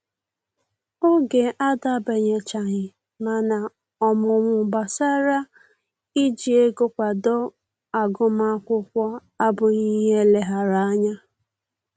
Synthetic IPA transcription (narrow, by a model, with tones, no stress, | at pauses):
o˦ɡe˨ʔa˦da˦˨be˨ɲe˨t͡ʃa˨ɲɪ˨ | ma˨na˨ | ɔ˨mʊ˨mʊ˨ba˨sa˦ɾa˦ | i˦d͡ʒi˨e˦ɡo˦kʷa˨dɔ˦ | a˨ɡʊ˦ma˦kʷʊ˦kʷɔ˦ | a˦bʊ˨ɲi˦ɦe˦le˨ɦa˨ɾa˦a˦ɲa˦